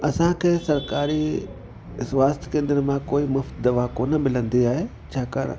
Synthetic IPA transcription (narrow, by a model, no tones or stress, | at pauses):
ɐsãkʰeːsɐɾkaːɾi | sʋaːst̪ʰkẽːnd̪əɾmãkoːimʊft̪d̪ɐʋakoːnəmɪlə̃nd̪iaːɦeː | t͡ɕʰaːka̰ːɾ̰